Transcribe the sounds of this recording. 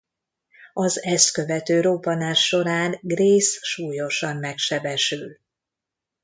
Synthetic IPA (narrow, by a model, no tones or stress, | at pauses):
ɒzɛskø̞vɛt̪øːɾoːbɒnaːʃːo̞ɾaːnɡreːsʃuːjo̞ʃɒmːɛkʃɛbɛʃyl